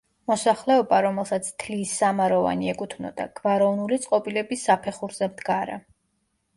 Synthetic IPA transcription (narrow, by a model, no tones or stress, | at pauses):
mɔsaχlɛɔbaɾɔmɛlˠsat̪sʰt̪ʰlisːamaɾɔva̰niɛkʼut̪ʰnɔ̰d̪a̰ɡ̥vaɾɔnulit̪sʼqʼɔpʼilɛbisːapʰɛχuɾzɛmd̪ɡaɾa̰